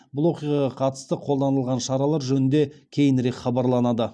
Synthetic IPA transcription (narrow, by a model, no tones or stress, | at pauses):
bʊlˠwo̞qijʁɑʁɑqʰɑt̪ə̥st̪əqʰo̞lˠd̪ɑnəlˠʁɑnʃɑɾɑlˠɑɾʒɵnɪnd̪e̞kʲʰe̞jɪnɾe̞kχɑbɑɾlˠɑnɑd̪ə